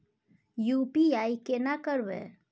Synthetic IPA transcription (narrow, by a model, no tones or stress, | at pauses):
jupiaikenakəɾbḛ